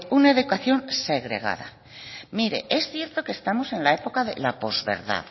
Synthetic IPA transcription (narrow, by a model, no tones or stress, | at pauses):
unaeðukwaθjo̞nse̞ɣɾe̞ɣ̞a̰ða̰ | miɾe̞̰ʔesθje̞ɾt̪o̞kest̪amose̞nlae̞po̞kaðe̞̰lapo̞zβe̞̰ɾða̰ð